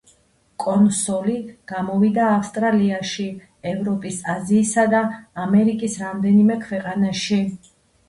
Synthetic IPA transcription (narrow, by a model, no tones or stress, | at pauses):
kʼɔnsɔliɡ̥amɔvid̪aːfst̪ʼɾaliaʃi | ɛvɾɔpʼisaziːsad̪aːmɛɾikʼisɾamd̪ɛnimɛkʰwɛqʼanaʃi